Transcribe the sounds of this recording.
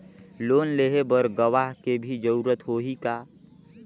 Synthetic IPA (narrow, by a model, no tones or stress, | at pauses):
loːnleːɦebəɾɡəʋaːɦkebʱid͡ʒəɾuːɾət̪ɦoːɦikaː